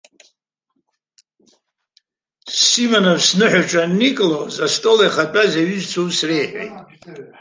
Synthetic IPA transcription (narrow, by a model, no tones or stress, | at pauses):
simanovsnɨħʷaʈ͡ʂʼanikʼlozastʼolajχapʼazaɥyzt͡sʷʰowsrejħʷḛjtʼ